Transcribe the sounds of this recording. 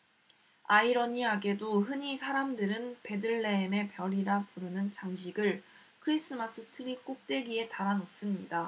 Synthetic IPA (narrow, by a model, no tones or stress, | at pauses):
aiɾʌɲiaɡe̞doɦɯɲisʰaɾamdɯɾɯnpe̞dɯɭːe̞ːme̞pjʌɾiɾapuɾɯnɯnt͡ɕaŋɕʰiɡɯɭ | kʰɯɾis͈ɯmas͈ʰɯtʰɯɾik͈ok̚t͈we̞ɡie̞taɾanos͈ɯmɲida